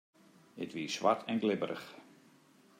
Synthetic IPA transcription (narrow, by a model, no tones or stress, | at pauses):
ɪtʋiːsʋa̰tʰɛnɡlɪbəɾəx